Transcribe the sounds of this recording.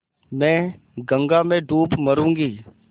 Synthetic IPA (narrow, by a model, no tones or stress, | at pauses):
mɛ̃ː | ɡə̃ŋɡamẽɖuːpmɐɾũːŋɡiː